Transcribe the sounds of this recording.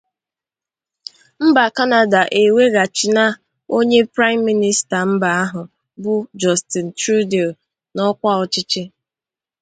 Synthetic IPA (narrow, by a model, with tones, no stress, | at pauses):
m̩˦ba˨ka˦na˨da˨ʔe˨we˦ɡa˨t͡ʃi˨na˦ | o˦ɲe˦pɾa˦ɪ˦m̩ː˦i˦ni˦sta˨m̩˦ba˨a˦ɦʊ˨ | bʊ˦d͡ʒɔ˨sti˨n̩˨tu˦de˨l | nɔ˦kʷa˦ɔ˨t͡ʃɪ˦t͡ʃɪ˦